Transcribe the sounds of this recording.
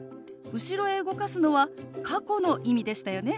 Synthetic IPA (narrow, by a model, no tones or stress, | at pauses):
ɯ̟ɕiɾo̞e̞ɯ̟ɡo̞kasɨno̞βakʰako̞no̞ʔimʲid̪e̞ɕi̥t̪ajo̞ne̞